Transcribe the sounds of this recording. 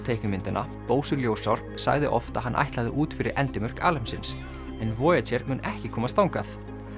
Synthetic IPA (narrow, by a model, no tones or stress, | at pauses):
t̪ʰeːjknɪmɪnt̪ʏnʔa̰ | poːwsʏɾljoːwsawɾ̥ | sa̰ɣðɪʔɔ̰ft̪a̰ɦanʔa̰jht̪laðɪʔuːt̪fɪɾɪ̰ɾʔɛ̰nt̪ɪmʏr̥ka̰ːlɛmsɪns | ɛnvɔːjat͡ɕɛɾmʏːnʔɛhcɪkʰɔːmast̪awŋkaθ